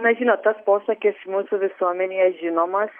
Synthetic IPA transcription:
nɐʒʲinot̪t̪ːɐspoːsɐkʲɛsmuːsuʋʲɪsuɔmʲɛnɪjɛʒʲinɔmɐs

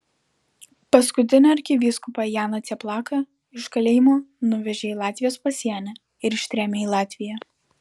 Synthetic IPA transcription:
pɐskʊt̪ʲɪnʲɛɐɾʲkʲɪʋʲiskʊpɐjæːnɐt̪ʲɛplˠɑːkɐ | ɪʃkɐlʲeːjmoːnʊʋʲɛʒʲeːiːlˠɑːt̪ʲʋʲɪjoːspɐsʲiɛnʲɛ | ɪɾɪʃʲt̪ʲɾʲæːmʲeːilˠɑːt̪ʲʋʲɪjɛ

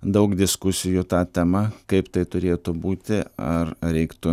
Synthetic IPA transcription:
d̪ɐʊkd̪ʲɪskʊsʲɪjut̪ɑːt̪ʲɛmɐkɐɪpt̪ɐɪt̪ʊɾʲeːt̪ʊbuːt̪ʲɪɐrɾʲɛɪkt̪ʊ

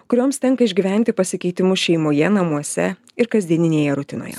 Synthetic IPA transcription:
kʊɾʲoːmst̪ʲɛŋkɐɪʒʲɡʲiʋʲɛˑnʲt̪ʲɪpɐsʲɪkʲɛɪt̪ʲɪmʊʃʲɛɪmoːjɛnɐmuɔsʲɛ̰ | ɪɾkɐzʲd̪ʲiɛnʲɪnʲeːjɛɾʊt̪ʲɪno̰ːjɛ̰

